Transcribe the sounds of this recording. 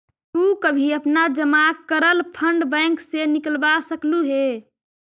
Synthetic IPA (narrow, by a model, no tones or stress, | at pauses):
t̪ukəbʱiəpnad͡ʒəmakːəɾəlpʰəɳɖbəŋksenikəlbasəkluɦe